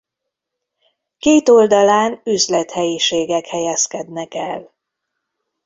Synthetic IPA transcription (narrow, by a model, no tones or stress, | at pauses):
keːt̪o̞ld̪ɒlaːnyzlɛt̪hɛjiʃeːɡɛkhɛjɛskɛd̪nɛkɛl